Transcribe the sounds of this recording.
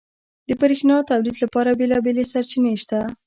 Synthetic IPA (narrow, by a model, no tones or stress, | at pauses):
d̪̥əpaɾexnɑt̪awlid̪lapɑɾabelɑbelesaɾt͡ʃineʃt̪a